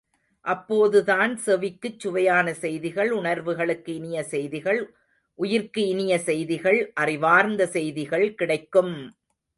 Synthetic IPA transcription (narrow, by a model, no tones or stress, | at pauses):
ʔɐpːoːðɯðaːnsɛʋɪkːɯt͡ʃːʊʋɐjaːnɐsɛjðɪɣɐɭʊɳɐɾʋɯɣɐɭɯkːɯɪnɪjɐsɛjðɪɣɐɭ | ʔʊjɪɾkɯɪnɪjɐsɛjðɪɣɐɭʔɐrɪʋaːɾnd̪ɐsɛjðɪɣɐɭkɪɽɐɪkːɯm